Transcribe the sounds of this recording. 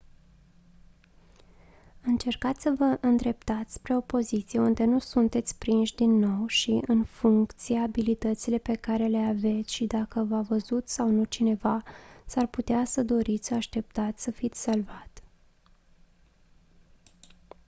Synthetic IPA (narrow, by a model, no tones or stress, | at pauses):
ɨnt͡ʃe̞rkat̪sʲsəvəʔɨnd̪ɾe̞pt̪at̪sʲpɾe̞o̞po̞zit̪sije̞und̪e̞nusunt̪e̞t̪sʲpɾinʃʲd̪inːo̞wʃiʔɨnfuŋkkt̪sijeabilit̪ət̪sile̞pe̞kaɾe̞le̞ave̞t̪sʲʃid̪akəvavəzut̪sawnut͡ʃine̞vasarput̪easəd̪o̞ɾit̪sʲsəaʃt̪e̞p̚t̪at̪sʲsəfit̪sʲsalvat̪